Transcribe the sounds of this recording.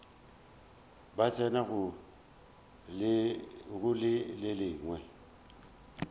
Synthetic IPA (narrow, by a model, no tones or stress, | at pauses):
bat͡sʰʼɛnaɣʊ | ɣʊlɪlɪlɪːŋwɛ